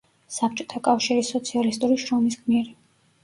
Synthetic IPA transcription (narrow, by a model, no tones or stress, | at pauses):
sap̚ʰt͡ʃʼɔ̥t̪ʰakʼafʃiɾisɔt̪sʰialist̪ʼuɾiʃɾɔmisɡmiɾi